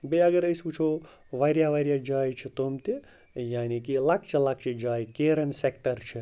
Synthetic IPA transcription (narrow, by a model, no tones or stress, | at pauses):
beɐɡɐɾɐjsput͡ʃʰo | ʋaɾjaʋaɾjad͡ʒaːjt͡ʃʰit̪omt̪i | jaːnikilɐk̚t͡ʃʰelak̚t͡ʃʰed͡ʒaːjkeːɾɐnsek̚ʈɐɾt͡ʃʰi